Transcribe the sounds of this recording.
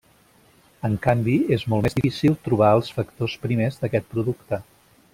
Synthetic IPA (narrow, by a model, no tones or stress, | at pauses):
əŋkambiezmɔlˠmezðifisilˠt̪ɾuβaəlˠsfəkt̪ospɾimezðəkɛt̪̚pɾuðukt̪ə